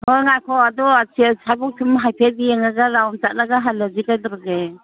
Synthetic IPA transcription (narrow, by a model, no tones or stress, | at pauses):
hɔŋakʰɔadɔasʰiasʰabɔk̚tʰimɦajpʰedieŋaɡaɾawnt͡ʃat̚laɡaɦalazikajdɔɾɔɡe